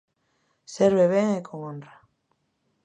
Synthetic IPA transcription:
seɾβeβeŋekʰoŋona

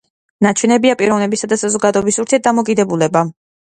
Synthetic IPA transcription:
nat͡ʃʰwɛnɛbiapʼiɾɔvnɛbisad̪asazɔɡad̪ɔɛbisuvɾt̪ʰiɛɾt̪̚d̪amɔkʼid̪ɛbulɛba

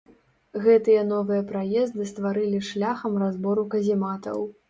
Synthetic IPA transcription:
ɣɛt̪ɨjɐn̪ɔvɨjɐpɾajɛzd̪ɨst̪vaɾɨlʲiʂlʲaxɐmrazbɔɾukɐzʲimat̪ɐ̰w

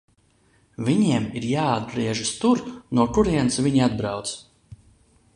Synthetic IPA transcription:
vʲiɲiɛmiɾjaːd̪̚bɾiɛʒɨst̪uɾnuɔkuɾiɛnsvʲiɲiad̪bɾawt̪s

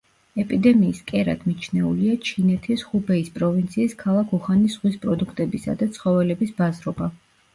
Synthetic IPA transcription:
ɛpʼid̪ɛmiːskʼɛɾa̰d̪̥mit͡ʃʰnɛuliat͡ʃʰinɛt̪ʰisχubɛispʼɾɔvint̪sʰiːskʰalˠakʰuχanisʁwispʼɾɔd̪ukʰt̪ʼɛbisa̰d̪at̪sʰχɔvɛlɛbisbazɾɔba

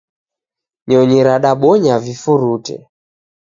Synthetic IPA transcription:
ɲɔɲɛɾaɗaɓɔɲavifuɾutɛ̰

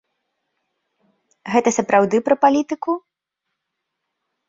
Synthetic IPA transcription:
ɣɛt̪ɐsɐpɾawd̪ɨpɾɐpalʲit̪ɨku

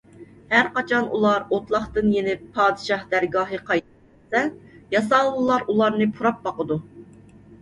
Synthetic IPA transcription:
hæɾqɑt͡ʃʰɑnṵlˠɑɾot̪lˠɑχt̪ɨnjenɪɑːd̪ɨʃɑhd̪æɾɡɑːɦɨqʰɑjt̪ | sɛjɑsɑlˠɨlˠɑɾulˠɑɾnɨpʰuɾɑp̚bɑqəd̪u

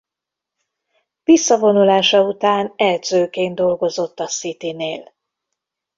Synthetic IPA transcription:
visːɒvo̞nulaːʃɒut̪aːnɛld̪zøːkeːnd̪o̞lɡo̞zo̞t̪ːɒsit̪ineːl

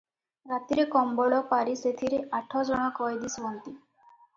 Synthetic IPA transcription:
ɾat̪iɾekɔmbɔɽɔpaɾiset̪ʰiɾeʔaʈʰɔd͡ʒɔɽ̃ɔkɔjd̪ismɔnt̪i

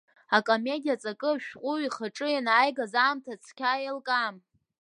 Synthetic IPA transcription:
akʼome̞dʲijat͡sʼakʼɨʃᶣqʷʼʊwiχaʈ͡ʂʼɨjanajɡazaːmtʰat͡sʰkʲʰajelkʼam

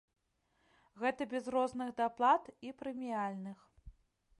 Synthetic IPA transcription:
ɣɛt̪ɐbʲɛzɾɔznɨɣd̪aplˠat̪ipɾɨmʲijalʲnɨx

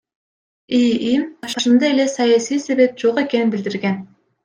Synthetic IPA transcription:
iimbɑʃɑʃɯnd̪ɑele̞sɑjasijse̞βe̞p̚d͡ʒoʁe̞ke̞ninbild̪iɾɡen

